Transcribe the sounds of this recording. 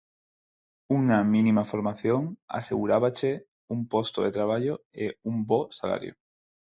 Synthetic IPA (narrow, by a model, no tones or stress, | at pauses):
uŋamĩnĩmafoɾmaθjoŋa̰sḛɣuɾaβ̞at͡ʃe | umpost̪oðet̪ɾaβ̞aʎoeumbosala̰ɾjo̰